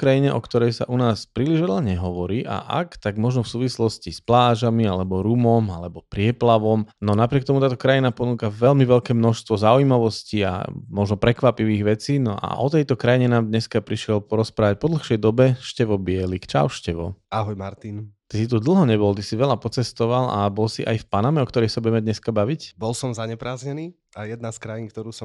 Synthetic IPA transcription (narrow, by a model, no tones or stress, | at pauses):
kɾajiɲɛʔɔ̰kt̪ɔɾɛjsa̰ʔunaːspɾiːliʒʋɛʎaɲɛɦɔʋɔɾiːʔa̰ʔa̰kt̪aɡmɔʒnɔfsuːʋislɔscisplaːʒamialɛbɔɾumɔmalɛbɔpɾɪɛplaʋɔmnɔnapɾɪɛkt̪ɔmut̪aːt̪ɔkɾajinapɔnuːkaʋɛlmiʋɛʎkɛːmnɔʃst̪ʋɔzauimaʋɔscia̰mɔʒnɔpɾɛkʋapiʋiːɣʋɛt͡siːnɔʔa̰ʔɔt̪ɛjt̪ɔkɾajiɲɛnaːmd̪ɲɛskapɾiʃɪɛlpɔɾɔspɾaːʋac̚pɔd̪l̩xʃɛjd̪ɔbɛʃcɛʋɔbɪɛlikt͡ʃa̰ʊʃcɛʋɔ̰aɦɔjmaɾt̪int̪isit̪ud̪l̩ˠɦɔɲɛbɔlt̪isiʋɛʎapɔt͡sɛst̪ɔʋala̰bɔlsiʔajfpanamɛɔkt̪ɔɾɛjsabuɟɛmɛd̪ɲɛskabaʋicbɔlsɔmzaɲɛpɾaːzɲɛniː | ajɛd̪naskɾajinkt̪ɔɾuːsɔm